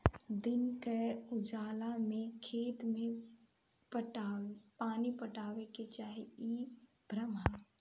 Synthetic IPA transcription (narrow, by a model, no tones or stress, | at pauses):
d̪ɪnkəʊd͡ʒaːlamẽkʰeːt̪mẽ | pəʈapaːnipəʈaːʋeket͡ʃaːɦeiː | bɾəmaː